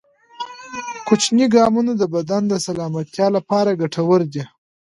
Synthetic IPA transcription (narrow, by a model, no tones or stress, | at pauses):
kʊt͡ʃniɡɑmunad̪əbad̪and̪əsalɑmat̪jɑlapɑɾaɡaʈʰawəɾd̪i